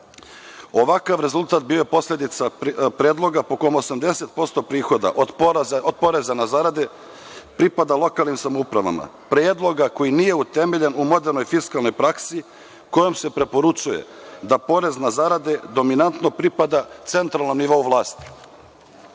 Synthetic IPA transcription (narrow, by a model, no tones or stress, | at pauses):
o̞ʋakaʋɾe̞zulˠt̪aːt̪̚biojepo̞slʎʲed̪it̪sapɾeːd̪lˠo̞ɡapo̞komosamd̪e̞se̞t̪̚po̞st̪o̞pɾiːxo̞d̪a̰ʔod̪od̪̚po̞ɾe̞zanazaɾad̪e | pɾipad̪alˠo̞kaːlˠnimsamoupɾaʋa̰ma̰ | pɾeːd̪lˠo̞ɡako̞jinije̞ut̪e̞meʎe̞numo̞d̪e̞ɾno̞jfiskalˠno̞jpɾaksi | ko̞jomse̞pɾe̞po̞ɾut͡ʃujḛd̪apo̞ɾe̞znazaɾad̪e̞d̪o̞minant̪no̞pɾipad̪at̪se̞nt̪ɾalˠnomniʋo̞uʋlˠaːst̪i̥